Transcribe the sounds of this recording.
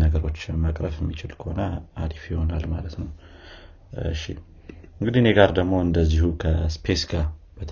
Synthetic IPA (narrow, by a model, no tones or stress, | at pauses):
nəɡəɾo̞t͡ʃːmakʼɾəfjɛmːit͡ʃɪlkʰəhonaad̪ifjiho̞nalmalət̪nəw | ɨʃːḭ | ɨŋɡɨd̪ine̞ɡaɾd̪əɡmo̞ɨnd̪əzːihukʰəspʰesɡab̥ət̪ʰ